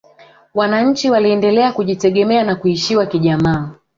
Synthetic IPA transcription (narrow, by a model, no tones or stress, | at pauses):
wanaɲ̩t͡ʃiwaliɛndɛlɛakuʄitɛɠɛmɛanakuiʃiwakiʄamaː